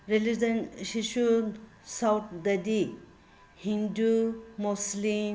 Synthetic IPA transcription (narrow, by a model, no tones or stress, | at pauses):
ɾelizɐnsiʃu | sawt̪̚ʰd̪ɐd̪i | hindumuslim